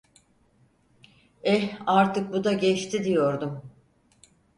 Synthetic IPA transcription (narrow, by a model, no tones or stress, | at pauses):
ɛaɾt̪ʰɯk̚bud̪aɟɛt͡ʃt̪ʰid̪ijo̞ɾd̪um